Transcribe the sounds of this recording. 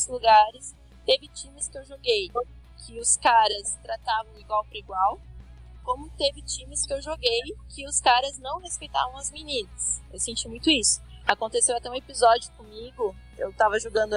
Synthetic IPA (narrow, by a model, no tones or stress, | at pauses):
zluɡaɾɪs | t̪evɪt͡ʃĩmɪskɪewʒoɡej | kʰɪʊskaɾɐst̪ɾat̪avɐ̃w̃iɡwawpɾɐiɡwawkõmʊt̪evɪt͡ʃĩmɪskɪewʒoɡejkɪʊskaɾɐznɐ̃w̃hespejt̪a̰vɐ̃w̃ɐzminĩnɐsewsẽnt͡ʃimũj̃t̪ʊisʊ̥ | akõnt̪esewat̪ɛũepizɔd͡ʒʊkõmiɡʊ | ḛwt̪avɐʒoɡɐ̃nd̪ʊ